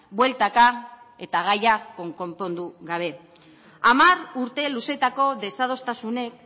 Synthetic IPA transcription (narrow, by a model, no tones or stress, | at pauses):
bwe̞lt̪aka | e̞t̪aɣ̞ajako̞ŋko̞mpo̞nd̪uɣaβ̞e̞ | amaruɾt̪e̞luse̞t̪ako̞ðe̞sað̞o̞st̪asune̞k̚